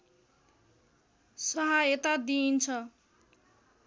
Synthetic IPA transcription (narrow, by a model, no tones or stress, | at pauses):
sʌɦaet̪ad̪int͡sʰʌ